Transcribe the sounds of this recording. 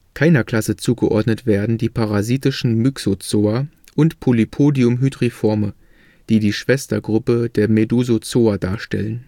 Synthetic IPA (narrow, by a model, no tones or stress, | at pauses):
kʰaɪnɐkl̥asət͡suːɡəʔɔɐdnətv̥eːɐdn̩diːpʰaʁaziːtɪʃn̩myksot͡soːɐ | ʔʊntpʰolipʰoːdiʊmɦydʁifɔɐmə | d̥iːdiːʃv̥ɛstɐɡʁʊpədeːɐmeduːzot͡soːɐdaːɐʃtɛ̰lən